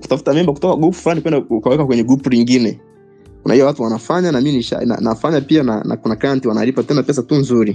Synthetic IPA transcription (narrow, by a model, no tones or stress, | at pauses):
ku̥tafu̥tamɛmbaku̥tɔkaɡupu̥fulanikwɛndaukawɛkakwɛɲɛɡupuliŋɡinɛ | kuna̰ijawatuwanafaɲanaminiʃa̰na̰nafaɲapiana̰na̰kunakɾantiwana̰lipatɛnapɛs̬atunzuɾi